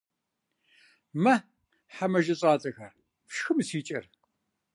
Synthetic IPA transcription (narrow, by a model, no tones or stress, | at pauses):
mɐ | ħamɐʒɐɕʼaːt͡sʼɐxɐr | fʃxɨmɨsiːt͡ʃʼɐr